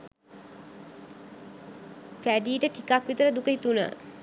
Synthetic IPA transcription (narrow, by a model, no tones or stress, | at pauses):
fæɖiːʈəʈʰikakʋit̪əɾəd̪ukəɦit̪unə̰